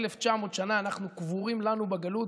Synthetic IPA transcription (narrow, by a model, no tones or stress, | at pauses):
left͡ʃamo̞t̪ʃanaːnaχnukvuʁimlanubeɡalut